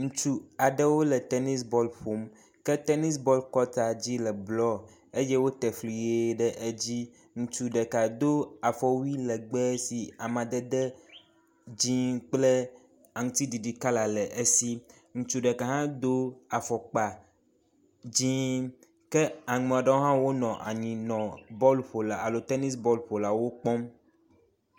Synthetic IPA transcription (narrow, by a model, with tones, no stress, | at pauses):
ŋũ˨t͡ʃu˦a˨ɖɛ˦wo˦lɛ˨t̪ɛ˦ni˦sbɔ˦lɸo˨˦m | kɛ˦t̪ɛ˦ni˦sbɔ˦lkɔ˦t̪a˨d͡ʑi˦lɛ˨blɔ˦ | e˦jɛ˦wo˦t̪ɛ˨flu˨je˦ɖɛ˦ʔe˦d͡ʑi˦ | ŋũ˨t͡ʃu˨ɖɛ˨ka˨d̪o˦a˨fɔ˨wi˦lɛ˨ɡ͡bɛ˦si˨a˨mã˨d̪ɛ˦d̪ɛ˦ | d͡ʑĩ˦k͡plɛ˦ | a˨ŋũ˨˦t̪i˦ɖi˨ɖi˨ka˦la˨lɛ˨ʔe˦si˦ | ŋũ˨t͡ʃu˦ɖɛ˨ka˨ɦã˦d̪o˦a˨fɔ˨k͡pa˨ | d͡ʑĩ˦ | kɛ˦a˨ŋɛ˨ɔ˨ɖɛ˦wo˦ɦã˦wo˦nɔ̃˨ʔa̰˨ɲĩ˨nɔ̃˨bɔ˦lɸo˨la˨a˨lo˨t̪ɛ˦ni˦sbɔ˦lɸo˨la˨wo˦k͡pɔ˦m